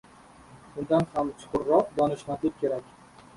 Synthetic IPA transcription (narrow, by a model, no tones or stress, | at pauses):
ʊnd̪anhamt͡ʃʰʊ̥qʊɾːɒq̚d̪ɒnɪʃnat̪ʰɪp̚kʲʰe̞ɾakʲ